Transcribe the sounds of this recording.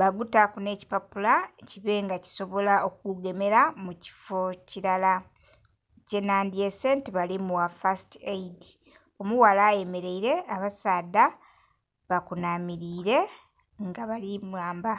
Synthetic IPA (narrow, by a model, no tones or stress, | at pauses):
βaɡutakune̞ːci̥papulaciβe̞ŋɡaci̥so̞βo̞lao̞k̚uɡe̞me̞ɾamuci̥fo̞ciɾala | ce̞nandiesentiβalimuwafasteidi | o̞muwalaːje̞me̞ɾe̞iɾe̞aβasaːda | βakunaːmiɾiːɾe̞ | ŋɡaβalimwaːmba